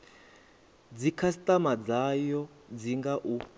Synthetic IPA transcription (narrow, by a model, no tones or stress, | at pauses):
d͡zikʰasit̪ʼamad͡zajɔ | d͡ziŋɡaʔu